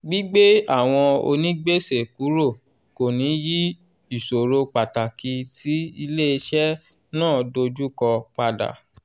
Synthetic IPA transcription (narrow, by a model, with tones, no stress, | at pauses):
ɡ͡bi˦ɡ͡be˦a˦˨w̃ɔ̃˧o̰˧nĩ˦ɡ͡be˦˨se˨ku˨˦ɾo˦˨ | ko˨nĩ˨˦ji˦ | i˦˨so˨ɾo˧k͡pa˨ta˨ki˧ti˨˦i˧le˦i˧ʃɛ˦ | nãː˦˨do˧d͡ʒu˦kɔ˧k͡pa˧da̰˨